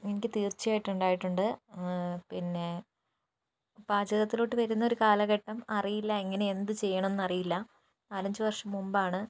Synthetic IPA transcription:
enikʲːɨt̪iːrt͡ɕːijaːjiʈːuɳɖaːjiʈːuɳɖɨ | pinːe̞ | b̥aːd͡ʑɐðɐt̪ːiloʈːɨʋɐɾunːɐo̞ɾukaːlɐɣeʈːɐmɐrijilːɐeŋːɐne̞end̪ɨt͡ɕe̞jːɐɳɐme̞nːɐrijilːɐ | aːɾɐɲd͡ʑɨʋɐrʂɐmːumbaːɳɨ

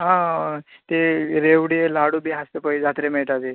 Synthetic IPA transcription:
ɦãt̪eɾeʋɽielaɽubiːɦast̪epəid͡zat̪ɾemeɭʈat̪e

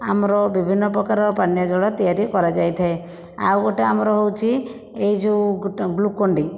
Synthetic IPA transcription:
a̰mɾɔbibʱinːɔpɾɔkaɾɔpanjɔd͡ʒɔɭɔt̪ijaɾikɔɾad͡ʒajt̪ʰae | a̰wɡoʈeamɾɔɦowt͡ʃʰi | ejd͡ʒuɡlukoɳɖi

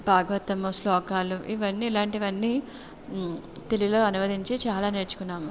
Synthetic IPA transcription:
bʱaːɡɐʋɐt̪ɐmuslɔːkaːluʔiʋɐnːiːlaːɳʈiʋɐnːiː | t̪elilo̞ːɐnuʋɐd̪ʱiɲt͡ʃet͡ʃaːlaːneːɾt͡ʃu̥kunːaːmu

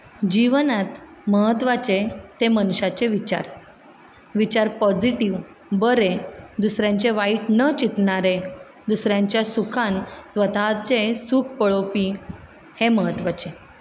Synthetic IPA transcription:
d͡ʑiʋnat̪məɦət̪ʋat͡ɕet̪emənɕat͡ɕeʋit͡ɕa̰ɾ | ʋit͡ɕaɾpɔd͡ʑiʈiʋ | bəɾed̪usɾjãɲt͡ɕeʋaiʈnət͡ɕit̪ɳaɾe | d̪usɾjãɲt͡ɕjasukʰansʋət̪at͡sesukʰpəɭopi | heməɦət̪ʋat͡ɕe

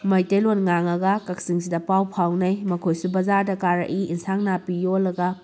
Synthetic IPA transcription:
mɐjtelonŋaŋɐɡɐkɐk̚siŋsidɐpawpʰawnɐjmɐkʰojsubɐzaɾdɐkaɾɐ̰ʔiinsaŋnapijolːɐɡɐ

